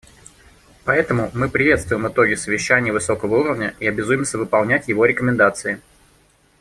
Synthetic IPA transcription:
pɐɛt̪əmʊmɨpɾʲɪvʲet̪st̪vʊjɪmɨt̪o̞ɡʲɪsəvʲɪɕːænʲɪjəvɨso̞kəvəuɾəvnʲəiɐbʲɪzujɪmsʲəvɨpɐlˠnʲætʲjɪvo̞ɾʲɪkəmʲɪnd̪at̪sɨɪ

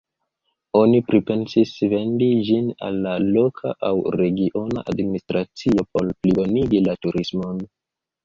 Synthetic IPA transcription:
o̞nipɾipe̞nsisve̞ndid͡ʒina̰lːalo̞kʰa̰ʔawɾe̞ɡiʔo̞na̰ʔa̰dministɾʔat͡sio̞po̞lplibo̞niɡilatuɾʔismon

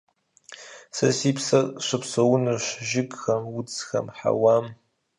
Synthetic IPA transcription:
sɐsipʰsɕʷʊpʰsɐwʊnɨʃʷʒɪɡxɐmʊd͡zxɐ̰mħa̰wam

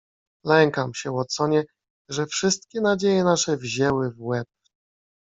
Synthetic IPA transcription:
lɛŋkamɕɛwɔt̪sɔɲɛ | ʐɛfʂɘst̪̚kʲɛnad͡ʑejɛnaʂɛvʑɛwɘvwɛp̚

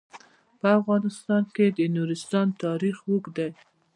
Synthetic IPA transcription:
pəafɣɑnɪst̪ɑnked̪ənuɾɪst̪ɑnt̪ɑɾixwukd̪aj

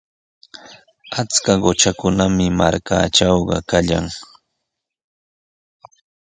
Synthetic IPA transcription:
at͡skaɢot͡ʃakʊnamɪma̰ɾka̰ːt͡ʃɑwɢɑ̰kaʎa̰ŋ

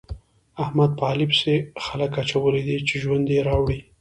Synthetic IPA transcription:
ahmad̪̚pɑlɪpsexaləkat͡ʃawəled̪et͡ʃeʒwand̪jeɾɑwɽi

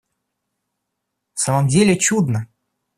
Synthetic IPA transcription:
saməmdʲelʲɪt͡ɕud̪nə

